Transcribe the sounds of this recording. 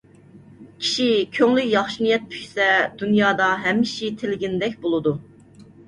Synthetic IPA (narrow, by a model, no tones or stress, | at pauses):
kʲʰi̥ʃikʲʰøŋlykjɑχʃinijɛt̪̚pʰy̥ʃʲsɛd̪̥unjɑːd̪ɑɦɛmːiʃit̪ʰelɪɡʲinɪd̪ɛk̚ʲbolˠɨd̪u